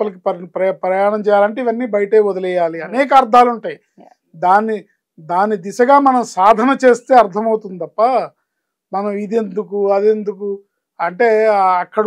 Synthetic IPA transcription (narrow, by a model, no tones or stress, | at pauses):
ɐlɐk̬ipɐpɾɐpɾɐjaːɳɐmt͡ʃɛːjaːlɐɳʈ̬eːiʋɐnːiːbɐjɐʈeːɔd̪ɐlɛjaːliɐnɛːk̬ɐːɾd̪ʱaːluɳʈaːji | d̪aːnːi | d̪aːnːid̪isɐɡaːmɐnɐmsaːd̪ʱɐnɐt͡ʃe̞ːst̪e̞ːɐɾt̪ʰɐmɐwt̪und̪it̪ɐpːɐ | mɐnɐmid̪e̞nd̪ukuɐd̪e̞nd̪uku | ɐɳʈe̞ːɐkːɐɽ